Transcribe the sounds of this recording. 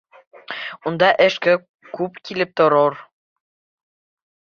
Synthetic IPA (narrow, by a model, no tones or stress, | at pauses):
und̪ɑʔɘ̆ʃkɘ | kupkʲilɘ̆p̚t̪oɾor